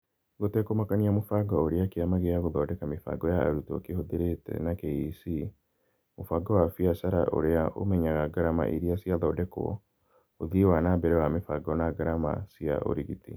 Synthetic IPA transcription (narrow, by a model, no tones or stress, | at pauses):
ɡotɛkomakaniamofaɡaoɾiakeamaɣejaɣoðɔdɛkamefa̰ɡɔja̰ːɾutɔ̰kehoðeɾetɛ̰nakeisi | mofaɡawafiasaɾa̰ʔo̰ɾeaʔo̰mɛɲaɣaɡaɾama̰ʔiɾiasiaðɔːdɛkɔ̰ | oðiwanabɛɾɛwamefaɡɔnaɡaɾama̰sia̰ʔo̰ɾiɣitḭ